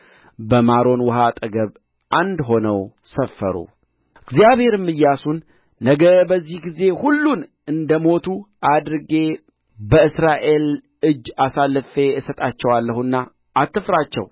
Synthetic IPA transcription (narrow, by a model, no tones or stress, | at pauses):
bəmaɾo̞nwɔɦat̪ʼəɡəβ | ʔand̪ɦo̞nəw | səfːə̰ɾṵ | ɨɡzijaβhe̞ɾɨmːɨjːasunː | əɡəbəzːihɡize̞hulːun | ɨnd̪əmo̞t̪ʰu | ad̪ɾɨɡe̞ | bəɨsɾaʔe̞l | ɨd͡ʒːasalːɨfe̞ɨsət̪ʼat͡ʃːɛwalːəhunːaː | t̪ʰːɨfɾat͡ʃːɛ̰w